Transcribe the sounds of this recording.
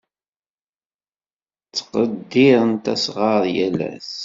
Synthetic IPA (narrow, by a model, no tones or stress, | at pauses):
t͡sːqəd̪ːɪɾənt̪æsʁɑɾˤjælæ̰s